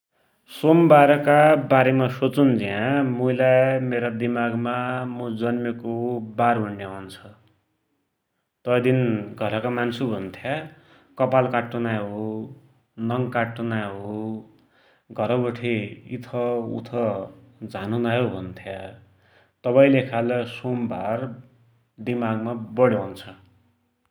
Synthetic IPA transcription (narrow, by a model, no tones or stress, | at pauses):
sombaɾʌkabaɾemasot͡sund͡ziɦãmujlameɾad̪imaɡmamud͡zʌnmekobaɾbʱuɳɖjawnt͡sʰʌ | t̪ʌd̪inɡʱʌɾʌkamansubʱʌnt̪ʰja | kʌpalkaʈːunaɦo | nʌŋkaʈːunaɦo | ɡʱʌɾʌbʌʈʰeḭt̪ʰʌṵt̪ʰʌd͡zʱanunaɦobʱʌnt̪ʰja | t̪ʌpaĩlekʰalʌsombʱa̰r | d̪imaɡmabʌɽjɦant͡sʰʌ